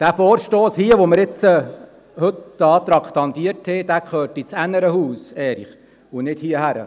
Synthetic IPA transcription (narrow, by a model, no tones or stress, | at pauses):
d̥æfoːɾʃtoːshiəʋoməɾɪt͡sə | hɵt̪d̥̪əɑːt̪ɾɑkχt̪ɑnd̪iəthɛd̥̪æːkχøːɾtit͡sænəɾəhuːsɛːliχ | ʊnɪdhiəhæɾə̰